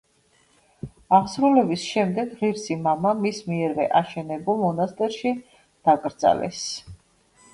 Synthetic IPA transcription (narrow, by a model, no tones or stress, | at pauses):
aʁsɾulɛbisʃɛmd̪ɛɡʁiɾsimamamismiɛɾvɛʔaʃɛnɛbulˠmɔnast̪ʼɛɾʃi | d̪̥akʼɾd̪z̥a̰lɛ̰s